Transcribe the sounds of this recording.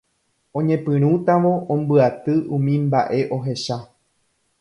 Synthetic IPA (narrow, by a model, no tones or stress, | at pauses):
õ̞ɲẽpɨ̃ɾ̃ũt̪aʋo̞ʔõmbɨat̪ɨʔũmĩmba̰ʔe̞ʔo̞ɦe̞ʃa